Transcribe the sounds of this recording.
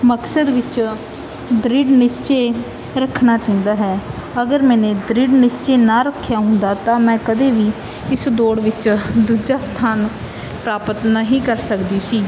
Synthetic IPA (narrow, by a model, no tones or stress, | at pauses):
məksəɖ̪ʋɪt͡ʃ | d̪ɾɪɖnɪst͡ʃeː | ɾəkʰnaːt͡ʃaːĩnd̪aːɦɛːəɡəɾmɛ̃ːnẽːd̪ɾɪɖnɪst͡ʃeːnãːɾəkʰːjaːɦʊnd̪aːt̪ãːmɛ̃ːkəd̪eːʋiː | ɪsd̪oːɽʋɪt͡ʃd̪uːd͡ʒaːst̪ʰaːn | pɾaːpət̪naɦiːkəɾsəkd̪iːsiː